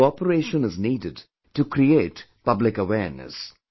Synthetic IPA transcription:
ɔpəɾeːʃə̃nɪzniːdɪd | ʈukʰɾieːt | pʌblɪkəwɛːɾnə̰s

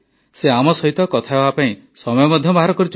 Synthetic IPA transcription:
seamɔsɔɦit̪ɔkɔt̪ʰaebapaĩ | sɔmɔjɔmɔd̪ʱjɔbaɦaɾɔkɔɾit͡ʃ

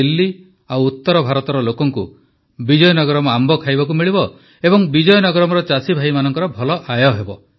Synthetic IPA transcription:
ilːi | awut̪ːɔɾɔbʱaɾɔt̪ɔɾɔlokɔŋku | bid͡ʒɔjɔnɔɡɔɾɔmɔambɔkʰajbak̬umiɭibɔ | ebɔŋbid͡ʒɔjɔnɔɡɔɾɔmɔɾɔt͡ʃasibʱaimanɔŋkɔɾɔbʱɔlɔʔajɔɦebɔ

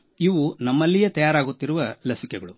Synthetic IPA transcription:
iʋunɐmːɐlːijet̪ɐjaːɾaːɡut̪ːiɾuʋɐlɐsikɛɡɐɭu

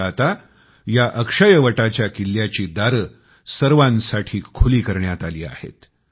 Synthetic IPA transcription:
at̪a | jaʔəkʂəjəʋəʈat͡ɕjakilːjat͡ɕiːd̪aɾə | səɾʋãnsaʈʰiːkʰuliːkəɾɳjat̪aliːa̰hḛt̪

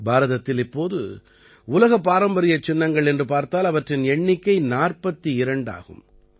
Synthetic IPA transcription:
baːɾɐðɐt̪ːɪlɪpːoːðɯ̰ | ʊlɐɣɐpːaːɾɐmbɐɾɪjɐt͡ʃːɪnːɐŋɡɐɭɛndrɯpaːɾt̪aːlɐʋɐʈrɪnɛɳːɪkːɐɪnaːrpɐt̪ːɯɪɾɐɳɖa̰ːɣɯ̰m

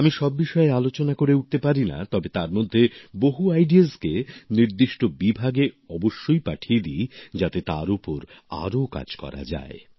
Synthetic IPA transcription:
amiʃɔbːiʃɔealot͡ɕonakoɾeuʈ̚t̪epaɾina̰t̪ɔbet̪aɾmod̪ʱːeboɦuajɖiaskeniɾd̪iʃʈobibʱaɡe | ɔboʃːojpaʈʰied̪id͡ʑat̪et̪aɾupoɾ | a̰ɾoka̰d͡ʑkɔ̰ɾa̰d͡ʑa̰e

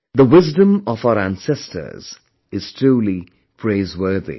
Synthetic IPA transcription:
ðəwɪzdə̃məvaʊəæ̃nsɛstʰə̰˞z̥ | ɪz̥tʰɹ̥uːli | pʰɹeɪzwɜ˞ðḭ

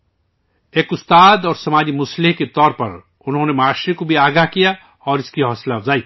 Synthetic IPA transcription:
eːkʊst̪aːd̪ɔːɾsɐmaːd͡ʒimʊsliɦket̪ɔːɾpɐ̰ɾ | ʊnɦoːnemaːʃikobʱiaːɡaɦkija | ɔːɾɪskiɦɔːslad͡zaːi

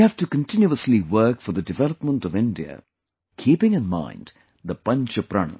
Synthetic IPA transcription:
ihæfʈukə̃ntɪ̃njuəsliwɜːkfɔɾðədɨvɛləpmə̃ntʌvɪ̃ndiə̰ | kʰiːpɪ̃ŋɨ̃nmã̰ɪ̃nd | ðəpʌ̃nt͡ʃəpɾa̰nə̰

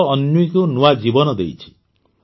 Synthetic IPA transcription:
njujkunuwad͡ʒibɔnɔd̪ḛjt͡ʃʰi̥

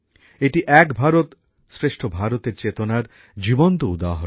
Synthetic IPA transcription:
eʈiʔɛkbʱaɾot̪ | sɾeʃʈʰobʱaɾot̪eɾt͡ɕet̪onaɾ | d͡ʑibont̪oud̪aɦo

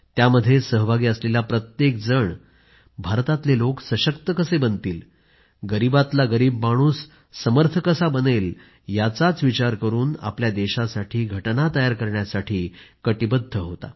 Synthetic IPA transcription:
t̪jaməd̪ʱːjesəɦbʱaɡiːəslelapɾət̪jek̚d͡zəɳ | bʱaɾt̪at̪leloksəɕəkt̪əkəsebənt̪iːl | ɡəɾibat̪laɡəɾiːbmaɽ̃uːsː | əməɾt̪ʰəkəsabənel | jat͡sat͡sʋit͡ɕaɾkəɾuːna̰pljad̪eɕasaʈʰiːɡʱəʈnat̪əjaɾkəɾɳjasaʈʰiːkəʈibəd̪ʱːəɦot̪a̰

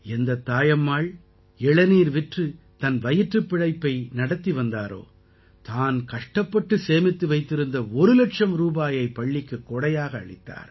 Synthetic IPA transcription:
ɛnd̪ɐt̪ːaːjɐmːaːɭ | ɛɭɐniːɾʋɪʈrɯ | t̪ɐnʋɐjɪʈrɯpːɪɻɐɪpːɐɪnɐɽɐt̪ːiʋɐnd̪aːɾo̰ː | t̪aːnkɐʂʈɐpːɐʈːɯseːmɪt̪ːɯʋɐɪt̪ːɪɾɯnd̪ɐɔɾɯlɐʈʂɐmɾuːbaːjɐɪpːɐɭːɪkːɯkːɔɽɐjaːɣɐ̰ːɭɪt̪ːa̰ːɾ

